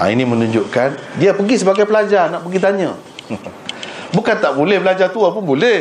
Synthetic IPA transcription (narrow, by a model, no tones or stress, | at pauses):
a̰ḭnĩmənũɲd͡ʒoʔkandiapəɡis̬əbaɡajpəlad͡ʒarnaʔpəɡit̪̬aɲã | bukant̪aʔbulɛhbəlad͡ʒat̪uapʊnbulɛ